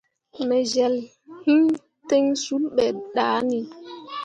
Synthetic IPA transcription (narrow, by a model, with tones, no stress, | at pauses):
mɛ˨ʒɛ˨l | hi˦ | te˦ŋsu˦lɓɛ˨ɗaː˨˦ni˨